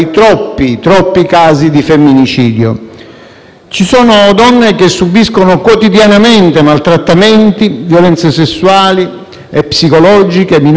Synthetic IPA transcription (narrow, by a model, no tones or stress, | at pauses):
jt̪ɾɔpːit̪ɾɔpːikaːzid̪ifemːinit͡ʃiːd̪jo̰ | t͡ʃisɔːnod̪ɔnːek̟esːubiskonokwot̪id̪janament̪emalt̪ɾat̪ːament̪ivjolɛnt̪sesesːuaːli | epːsikolɔːd͡ʒikemin